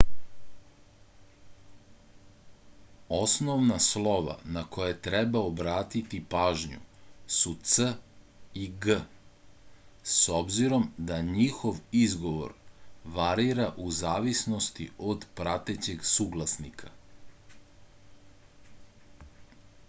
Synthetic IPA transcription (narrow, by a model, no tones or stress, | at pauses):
o̞snoʋnaslˠo̞ʋa̰nakʰo̞jet̪ɾɛbaobɾaːt̪it̪ipaːʒɲṵsut̪sə | iɡə | sobziɾo̞md̪aɲixo̞ʋizɡo̞ʋo̞̰ɾʋaɾiɾaʔuzaːʋisno̞st̪iod̪pɾat̪et͡ɕe̞ɡsuːɡlˠasnikʰa